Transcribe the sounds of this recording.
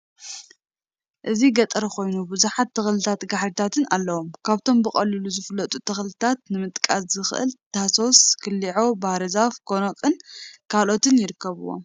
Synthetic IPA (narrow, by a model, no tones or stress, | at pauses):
ʔɨziɡɐt̪ʼɾɐxo̞jnubɨzuħat̪ːɨxlɨt̪ʰat̪ɡaħɾit̪ʰat̪ʰɨnalːɐwomkʰaβt̪ʰo̞mbɨχʼɐlːɨluzɨfɨlːɐt̪ʼut̪ʰɨxlɨt̪ʰat̪̚nɨmɨt̪ʼkʼaszɨxʔɨ̰lt̪ʰaso̞skʰɨlːiʕobahɾɐzafɡonokʼɨnkʰalo̞t̪ɨnjɪɾɨkːɐβuwːo̰m